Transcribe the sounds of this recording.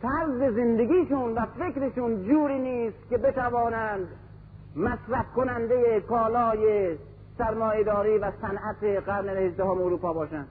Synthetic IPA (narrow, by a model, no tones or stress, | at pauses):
t̪ʰæɾzezend̪eɡʲiːʃunvæfekɾeʃuːnd͡ʒuːɾiːniːst̪kebet̪ævɒːnænd̪ | mæsɾæfkonænd̪ejekɒːlɒːje | sæɾmɒːjed̪ɒːɾiːvæsænʔæt̪eɣæɾnehezd̪æhomoɾuːpɒːbɒːʃænd̪